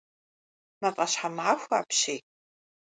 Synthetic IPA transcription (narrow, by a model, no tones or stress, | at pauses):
mapʼaʃħamʕaxʷaːpʰʃej